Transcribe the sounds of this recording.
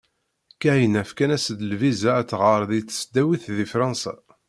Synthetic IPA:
kæjənæfkænæsəd̪əlvizæːʁəɾˤðit͡sːə̥sd̪æwiθðifɾˤɑnsæ̰

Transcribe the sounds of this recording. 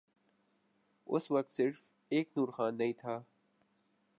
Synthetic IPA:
ʊ̰sʋɐk̚t̪sɪɾf | eːknuːɾxaːnːɐɦĩːt̪ʰaː

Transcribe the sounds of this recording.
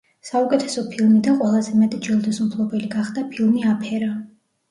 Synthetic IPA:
saukʼɛt̪ʰɛsɔpʰilˠmid̪anqʼwɛlˠazɛmɛt̪ʼd͡ʒilˠd̪ɛsumpʰlˠɔbɛliɡaχd̪apʰilˠmiapʰɛɾa

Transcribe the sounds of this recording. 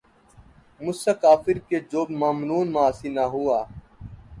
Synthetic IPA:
mʊsakaːfɪɾkeːd͡ʒoːbmaːmnuːnmãːsiːnaɦuaː

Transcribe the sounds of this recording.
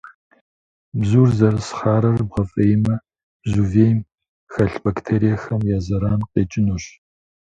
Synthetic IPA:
bzuːrzɐɾɨsχaːɾɐrbʁɐfʼɐjɪmɐ | b̥zuːveːjm | xɐɬbɐktʰeːɾijɐxɐmjaːzɐɾaːnqʼeːt͡ʃʼɪnuːɕ

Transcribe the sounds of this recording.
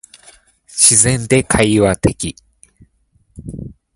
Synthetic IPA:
ɕizẽ̞nd̪e̞kʰaiβat̪e̞kʲi

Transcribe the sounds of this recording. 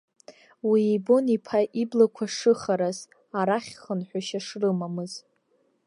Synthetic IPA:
wiːbonipʰaʔiblakʷʰaʂɨχaɾaz | aɾaχʲχənħʷᶣaʃaʂrɨmamɨz

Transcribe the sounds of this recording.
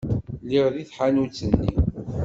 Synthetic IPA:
liʁðiθħanut͡sːənːḭ

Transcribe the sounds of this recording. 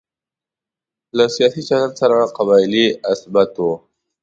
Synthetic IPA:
lasijɑsit͡ʃalansaɾaqaβɑjliɪsbat̪o

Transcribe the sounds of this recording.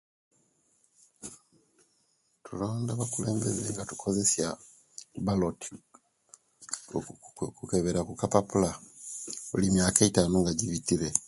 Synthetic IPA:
tulo̞ːndaβakule̞ːmbezeŋɡatu̥kʰo̞ze̞sja | baloti̥ | kukeβeɾakukapapula | olimjaːkaitaːnoŋɡaɟiβitiɾe̞

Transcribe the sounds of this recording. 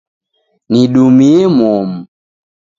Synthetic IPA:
niɗumiɛmɔm̩

